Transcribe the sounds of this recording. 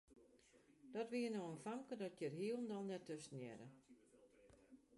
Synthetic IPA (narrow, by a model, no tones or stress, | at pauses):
d̥ɔtʋiənoənfamkədɔtjərɦiəlˠndɔlˠnɛtːəsnjɛ̰ɾə